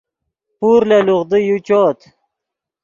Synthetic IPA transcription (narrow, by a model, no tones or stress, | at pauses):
puɾleluʁd̪ijut͡ɕoːt̪